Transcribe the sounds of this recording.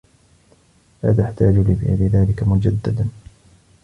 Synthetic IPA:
la̰ːt̪aħt̪aːd͡ʒʊlɪfḭlɪðaːlɪkamʊd͡ʒad̪ːad̪an

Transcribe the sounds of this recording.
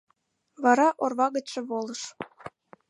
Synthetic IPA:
βɑɾɑʔorβɑɣə̆t͡ɕʃĕβolˠɤ̆ʃ

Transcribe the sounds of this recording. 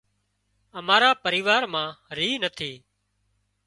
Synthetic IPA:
əmaːɾaːpəɾiːʋaːɾmãːɾiːnət̪ʰiː

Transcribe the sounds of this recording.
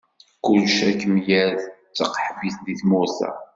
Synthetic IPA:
kʊlʃækːəmjæð | t͡sːəqħəbiθd̪iθmʊθæ̰

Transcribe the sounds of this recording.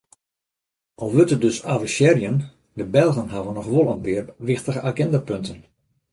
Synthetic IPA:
ʔɔlˠʋøtədøsavəʃjɛrjən | dəbɛlˠɣənɦaʋənɔxʋolˠənpɪərʋɪxtəɣəʔaɡɛndapøntən

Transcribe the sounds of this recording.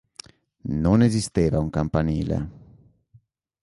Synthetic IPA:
nonezist̪eːvauŋkampaniːlḛ

